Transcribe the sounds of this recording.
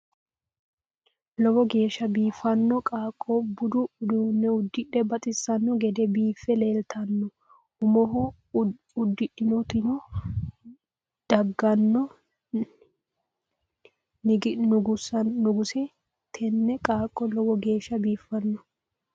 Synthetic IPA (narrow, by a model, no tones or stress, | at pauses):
lɔwɔɡe̞ːʃːɐbiːfɐnːɔkʼaːkʼːɔbʊd̪ʊd̪unːɛʊd̪ːɪɗɛbɐt̪ʼɪsːɐnːɔɡɛd̪ɛbiːfːɛleːlt̪ʰɐnːɔ | ʊmɔɦʊ | ʊd̪ːɪɗɪnɔt̪ɪnɔ | d̪̥ɐɡːɐnːɔ | nɪɡɪnʊɡʊsɐːʊɡʊsɪ | t̪ʰɛnːɛkʼaːkʼːɔlɔwɔɡe̞ːʃːɐbiːfːɐnːɔ